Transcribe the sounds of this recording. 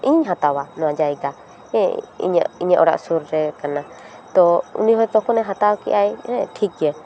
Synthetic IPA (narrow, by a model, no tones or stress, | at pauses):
ʔiɲɦat̪awanɔ̃ãd͡ʒajɡa | ɛ̃ḭɲa̰iɲaʔɔɽa̰ʔsuɾɾɛkana | t̪ɔṵniɦɔjt̪ɔkɔnɛɦat̪awkḭʔajɛʈʰikɛ